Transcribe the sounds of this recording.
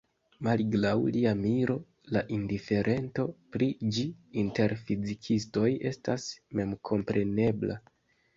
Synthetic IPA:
malɡlawliamiɾo̞ | laʔindife̞ɾʔe̞nto̞pɾid͡ʒiːnte̞ɾfizikʰisto̞je̞stasme̞mkʰo̞mpɾʔe̞ne̞bla

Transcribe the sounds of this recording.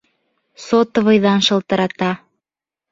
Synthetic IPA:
sot̪ə̆βɤjðɑnʃɤ̆lt̪ɤ̆ɾɑt̪ɑ

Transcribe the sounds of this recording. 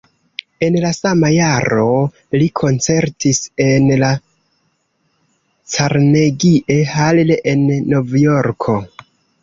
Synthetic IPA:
e̞nlasamajaɾo̞ | likʰo̞nt͡se̞ɾtise̞nla | t͡saɾneɡiʔe̞halleʔenːo̞vjoɾkʰo̞

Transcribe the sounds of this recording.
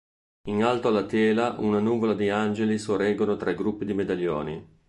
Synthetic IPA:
inalt̪oalːat̪ɛːlaʔunanuːvolad̪iand͡ʒelisorɛɡonot̪ɾʔaiɡɾupːid̪imed̪aʎːɔ̰ːni

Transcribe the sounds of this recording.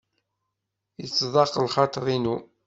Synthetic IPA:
jət͡sːðˤɑqːlχɑt̪ˤɾˤinu

